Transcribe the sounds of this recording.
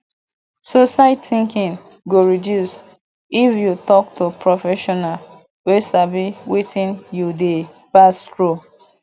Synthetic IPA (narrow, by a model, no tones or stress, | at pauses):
sosaɪtθĩŋkĩŋ | ɡoɹidjus | ifjutɔktopɹɔfɛʃɔnal | wesabiwitĩnjude | pastɹo